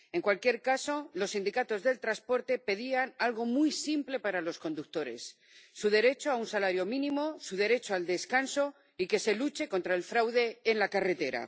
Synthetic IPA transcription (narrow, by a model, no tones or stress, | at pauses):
e̞ŋkwalkje̞ɾkaso̞lo̞sːind̪ikat̪o̞zðe̞lt̪ɾaspo̞ɾt̪e̞pe̞ðianalɣ̞o̞mujsimple̞paɾalo̞sko̞nd̪uk̚t̪o̞ɾe̞̰sː | uð̞e̞ɾe̞t͡ʃoaunsalaɾjo̞mĩnĩmo̞suðe̞ɾe̞t͡ʃoald̪e̞skanso̞ | ike̞se̞lut͡ʃe̞ko̞nt̪ɾae̞lfɾawðe̞ːnlakare̞t̪e̞ɾa̰